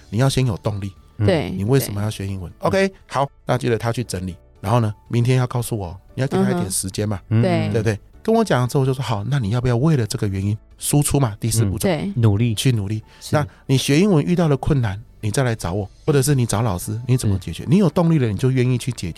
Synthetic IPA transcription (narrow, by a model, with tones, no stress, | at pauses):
ni˨˩jɑ˥˩ɕjɛ˦˥njo˨˩ʊt̪o˥˧ŋli˥˩e˥˧˩ni˨˩we˥˩ɪsʂə˧˥nmə˧jʊɕɥɛ˧˥i˦˥ŋwə˦no˧ʊkʰe˥ɪhɑ˨˩ʊna˥˩˨t͡ɕi˥˩də˨t̪ʰa˦t͡ɕʰy˥˩t͡sə˧˥nli˨˩ | ɻa˧˥nxo˥˩ʊnə˨˦mi˧˦nt̪ʰjɛ˦njɑ˥˧ʊkɑ˥˧ʊsu˥˩wɔ˨˩ni˨jt͡ɕa˧˥˧tjɛ˨˩nʂɻ̩˧˦˥t͡ɕjɛ˥˦nma˨˩e˥˧we˧pt̪e˥˩ɪkə˦˥nwɔ˧˦t͡ɕjɑ˨˩ŋt͡s̩˥˧˥jo˥˧˩ʂwxa˨˩ʊna˥˩ni˨˩jɑ˥˧pu˧jɑ˥˧we˥˩ɪlə˩ʈ͡ʂə˥˩ɡə˩ɥɛ˧˦ni˦˥n | su˦˥ʈ͡ʂʰu˥ma˨t̪i˥˧sɹ̩˥˧pu˥˩ʈ͡ʂo˨˩˦nu˨˩li˥˧t͡ɕʰy˥˩nu˨˩li˥˩˨ | na˥˨˩ni˨˩ɕɥɛ˧˥i˥nwə˧˦nʔy˥˧t̪ɑ˥ʊlə˩kʰwə˥˩nːa˧˦nni˨˩t͡sa˥˩ɪla˧ɪt͡sɑ˧˥ʊwɔ˨˩˦xwɔ˥˩ʈ͡ʂə˨˩ʂ̬ɻ̩˥˩ni˨˩t͡sɑ˧˥ʊlɑ˨˩ʊʂɹ̩˥ni˨˥t͡sə˨˩mə˦t͡ɕjɛ˨˩t͡ɕɥɛ̰˧˦ni˧˥˦jo˨˩t̪ʊ˥˧ŋli˥˩d̪ə˦ni˨˩t͡ɕjo˥˧ʊɥɛ˥˧ni˥˧t͡ɕʰy˥˩t͡ɕjɛ˨˩t͡ɕ